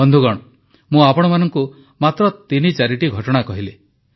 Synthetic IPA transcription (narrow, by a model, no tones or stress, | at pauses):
ɔnd̪ʱuɡɔɽ̃ɔ | mũapɔɽ̃ɔmanɔŋku | mat̪ɾɔt̪init͡ʃaɾiʈiɡʱɔʈɔɽ̃akɔɦile